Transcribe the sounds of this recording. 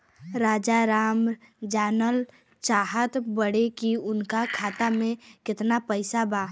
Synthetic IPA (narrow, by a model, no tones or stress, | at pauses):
ɾaːd͡ʒaɾaːm | d͡ʒaːnəl | t͡ʃaːɦət̪bəɽekiʊnkakʰaːt̪amẽkɪt̪napəɪsabaː